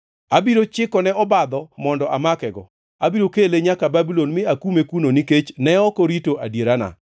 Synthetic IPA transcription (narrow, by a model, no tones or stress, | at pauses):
abiɾot͡ʃɪkɔnɛɔbad̪ɔmɔndɔʔamakɛɡɔ | abiɾokeleɲakababilonmɪakumekunoniket͡ʃnɛɔkɔɾitoʔadjeɾana̰